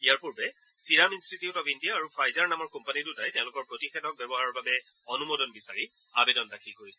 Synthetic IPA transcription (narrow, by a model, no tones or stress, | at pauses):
ijaɹpuɹbɛ | siɹaminstitiutɔpʰindijaːɹupʰajzaɹnamɔɹkɔmpanidutajtɛ̃ʊ̃lʊkɔɹpɹotixɛdɔk̚bɛbɔɦaɹɔɹbabɛ | ɔnumodɔnbisaɹi | a̰bɛdɔndakʰilkoɹisɛ